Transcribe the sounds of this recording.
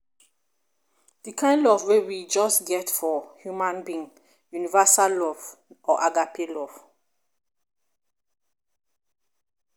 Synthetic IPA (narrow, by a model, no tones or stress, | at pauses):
d̥ikʰãɪ̃ndɔvwewid͡ʒɔsɡɛtfɔhjumãnbĩŋ | junivasalɔvɔʔaɡapʰelɔv̥